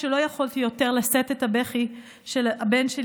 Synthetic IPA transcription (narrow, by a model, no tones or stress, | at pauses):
elo̞jaχolt̪ijo̞teʁlasetethabeχi | ʃelabenʃel